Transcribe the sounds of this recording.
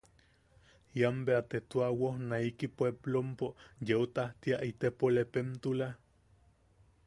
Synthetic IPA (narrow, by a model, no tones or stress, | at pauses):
jambeat̪et̪uawohnaikipweblompojeot̪aht̪iaʔit̪epolepent̪ula